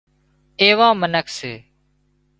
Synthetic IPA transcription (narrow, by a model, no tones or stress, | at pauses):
eːʋãːmənəkʰseː